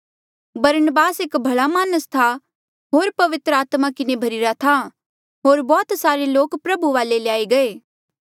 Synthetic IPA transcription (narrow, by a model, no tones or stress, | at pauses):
bɐɾnəbaːsekbʱɐɭamaːnəst̪ʰa | ɦoːɾpɐʋɪt̪ɾəaːt̪makɪnebʱɐɾɪɾat̪ʰa | ɦoːɾbɔːt̪saːɾeloːkpɾɐbuʋaːleljaːiɡɐeː